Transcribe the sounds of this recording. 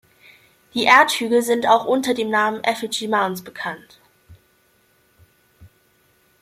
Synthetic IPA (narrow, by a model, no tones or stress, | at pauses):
d̥iːʔeːɐthyːɡl̩zɪntaʊxʔʊntɐdeːmnaːmənʔɛfɪd͡ʒimansb̥əkʰant